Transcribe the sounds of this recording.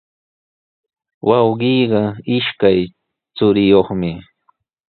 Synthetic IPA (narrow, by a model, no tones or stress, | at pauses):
wʔɑwɢiːɢɑɪʃkaj | t͡sʊɾɪjoχmɪ